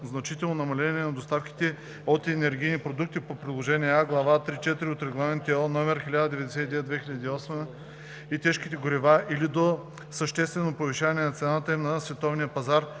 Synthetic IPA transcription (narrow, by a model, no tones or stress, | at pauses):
znɐt͡ʃit̪ɛlˠnonɐmɐlɛnʲɛnɐd̪ost̪afki̥t̪ɛ | ot̪ɛnɛɾɡ̟ijnipɾod̪uk̚t̪ipopɾʲid̪lˠoʒɛniɛaɡlˠɐvat̪ɾit͡ʃɛt̪iɾiot̪ɾɛɡlˠamɛnt̪ɛɔnɔmɛɾxʲilʲad̪əd̪ɛvɛd̪ɛsɛt̪id̪vɛd̪vɛxʲiʎʲəd̪iːɔsmə | it̪ɛʃkit̪ɛɡoɾivaʔilid̪o | səʃt̪ɛst̪vɛnopoviʃavɐnɛnɐt̪sɛnat̪əimnɐsvɛt̪ɔvnijəpɐzaɾ